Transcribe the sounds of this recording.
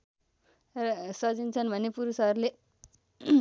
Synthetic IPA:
saːd͡ʒinsanmɐnipːuːɾsaːɾle

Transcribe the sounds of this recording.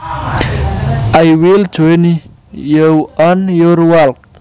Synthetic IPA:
ajwild͡ʒoni | jəwɔnjoɾwalk

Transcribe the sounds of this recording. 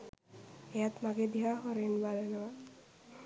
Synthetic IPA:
ejat̪maɡed̪iɦaɦɔɾenbalenɔwa

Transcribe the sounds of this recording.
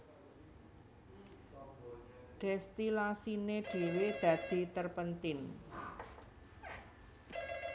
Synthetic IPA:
ɖ̥ɛst̪ilasineɖ̥i̤wed̪̥ä̤d̪̥i̤t̪ərpənt̪ɪn

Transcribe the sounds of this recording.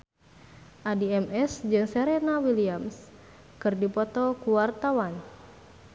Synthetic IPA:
ʔadiɛmɛsd͡ʒɨŋsɛɾenawiliams | kɨrdipɔt̪ɔkuwart̪awan

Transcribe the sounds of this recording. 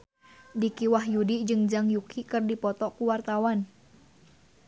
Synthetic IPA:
dikiwahjudid͡ʒɨŋd͡ʒaŋjukʰikɨrdipɔt̪ɔkuwart̪awan

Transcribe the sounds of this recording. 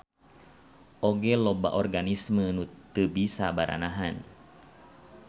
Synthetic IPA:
ʔoɡɛlɔba̰ʔɔrɡanismənut̪əbisabaɾʔa̰naɦan

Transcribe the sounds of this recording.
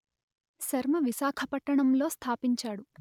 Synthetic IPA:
ʃɐɾmɐʋisaːkʰɐpɐʈːɐɳɐmlo̞ːst̪ʰaːpiɲt͡ʃaːɽu

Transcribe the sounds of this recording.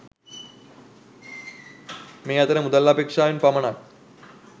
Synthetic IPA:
mejat̪ɐnemud̪əlːapekʂaːjunpamɳa

